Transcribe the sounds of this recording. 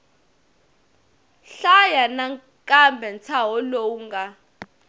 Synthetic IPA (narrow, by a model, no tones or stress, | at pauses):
ɬajanaŋ | kʼambʱɛnt͡sʰaɦɔlouŋɡa